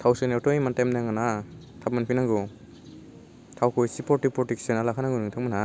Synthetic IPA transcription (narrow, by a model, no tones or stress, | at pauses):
tʰawseneɾtɔimantamnaŋɡana | tʰap̚manpʰinaŋɡo | tʰawkʰɔjsipɔtik̚pɾɔteksanalakʰanaŋɡunɯŋtʰakmana